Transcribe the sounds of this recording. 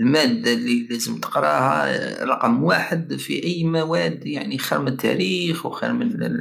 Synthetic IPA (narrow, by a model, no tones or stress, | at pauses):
lmæd̪ːalːilæzəmt̪ə̥qɾˤɑ̰hæ̰ɾˤɑqəmwaħəd̪fḭʔəjːmæwæd̪ːjaʕnixiɾmənət̪ʰːæ̰ɾixwxḭɾmən